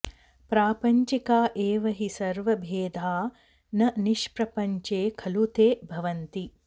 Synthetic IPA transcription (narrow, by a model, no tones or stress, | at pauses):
pɾaːpɐɲt͡ʃikaːʔeːʋɐɦisɐɾʋɐbʱeːd̪ʱaː | nɐniʃpɾɐpɐɲt͡ʃeːkʰɐlut̪eːbʱɐʋɐnt̪i